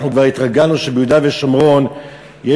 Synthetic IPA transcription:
χnukvaʁit̪ʁaɡanuʃebejud̪aveʃomʁo̞n | je

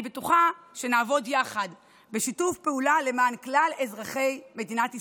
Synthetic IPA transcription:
betuχaʃe̞naːvo̞djaχad | beʃitufpeulale̞maːnklalezʁaχe̞jme̞dinati

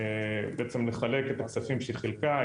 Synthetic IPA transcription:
beʔet͡se̞mle̞χale̞ket̪aksafimʃelχelka

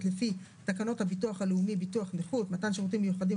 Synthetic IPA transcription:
tlefi | takano̞thabituaχaleumibituaχneχutmatanʃeʁut̬imːejuχadim

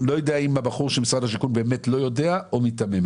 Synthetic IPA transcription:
lo̞jodeaimabaχuʁʃelmisʁadhaʃ̬ikunbeːmetlo̞jo̞deaomitamem

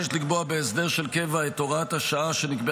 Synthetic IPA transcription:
ʃt̪likboabeːsd̪e̞ʁʃelke̞vaetoʁathaʃaaʃe̞nikbe

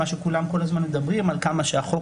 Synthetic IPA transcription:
aʃekulamko̞lazmanmed̪abʁimalkamaʃeaχo̞

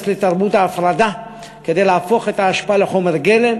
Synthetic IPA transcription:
slet̪aʁbut̪aːfɾad̪a | ke̞d̪ejlaafo̞χet̪aːʃpaaleχo̞meʁɡele̞m

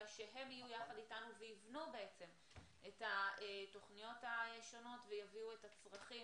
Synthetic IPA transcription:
ʃeɦe̞mijujaχaditanuveivnube̞et͡se̞m | ʔetaeto̞χnijo̞taeʃo̞no̞tvejaviue̞tat͡sʁaχi

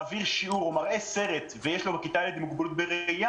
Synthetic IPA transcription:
viʁʃiuʁomaʁeseʁet̪vejeʃlobakit̪alid̪imuɡbelut̪̚beʁeja

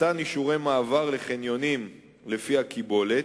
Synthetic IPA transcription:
aniʃuʁe̞jmaːvaʁleχenjo̞nim | le̞fiakibo̞le

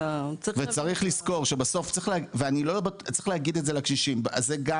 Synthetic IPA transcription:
t͡svet͡saʁiχlisko̞ʁʃe̞baso̞ftt͡sʁiχleaveanilo̞batt͡sʁiχlehaɡid̪etze̞lakʃiʃimbazeɡa

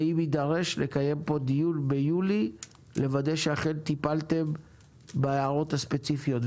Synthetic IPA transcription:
imid̪aʁe̞ʃle̞kaje̞mpo̞d̪ijulbejuli | le̞vadejʃeaχe̞nt̪ipalt̪e̞m | beeaʁo̞t̪haspe̞t͡sifijo̞t

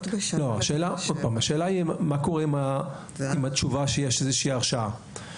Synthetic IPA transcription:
loaʃe̞ːlaod̚paːmaʃe̞ːlaimako̞ʁeima | imatt͡ʃuvaʃejeʃezeʃiːaʁʃaa

